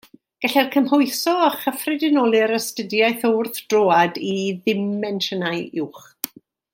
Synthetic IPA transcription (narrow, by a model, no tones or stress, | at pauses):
ɡ̥ɛɬɛrkʰəmhɔɨsɔaχəfrɪdɪnɔlˠɨɾəstədjajθowrθd̥roːadiðɪmɛnʃənaɨɪwχ